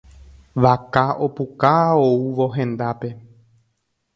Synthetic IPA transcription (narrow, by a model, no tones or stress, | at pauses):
ʋakaopukaouʋo̞ɦẽ̞nd̪ape̞